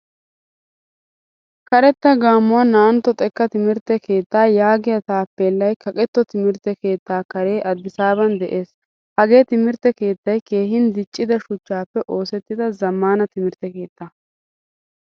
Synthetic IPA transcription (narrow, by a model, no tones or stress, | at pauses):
kɐɾɛt̪ːɐɡaːmːʊwɐnɐɐnt̪ːɔt̪ʼɛkːɐt̪ɪmɪɾt̪ːɛke̞ːt̪ːaːjaːɡɪjɐt̪aːpːeːlːɐjkʰɐkʼɛt̪ːɔt̪ɪmɪɾt̪ːɛke̞ːt̪ːaːkɐɾe̞ːʔɐd̪ːɪsaːbɐnd̪ɛʔe̞ːs | hɐɡe̞ːt̪ɪmɪɾt̪ːɛke̞ːt̪ːɐjke̞ːɦɪnd̪ɪt͡ʃʼːɪd̪ɐʃʊt͡ʃːaːpːɛʔo̞ːsɛt̪ːɪd̪ɐzɐmːaːnɐt̪ɪmɪɾt̪ːɛke̞ːt̪ːa